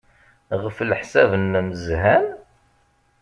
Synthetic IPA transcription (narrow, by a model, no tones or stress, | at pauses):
ʁəflħsævənːməzhæn